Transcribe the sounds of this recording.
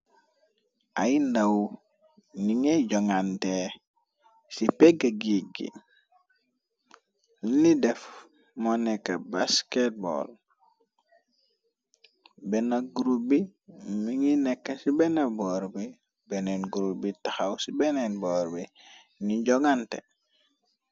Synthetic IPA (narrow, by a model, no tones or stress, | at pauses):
ajindaw | niŋeɟoŋante | sipeɡaɡiɡḭ | nidɛf | monekːabasket̚bo̰l | benaɡuɾubimiŋinɛkːasibenaboɾbi | benenɡuɾubitaxawsibenenboɾbi | niɟoɡantḛ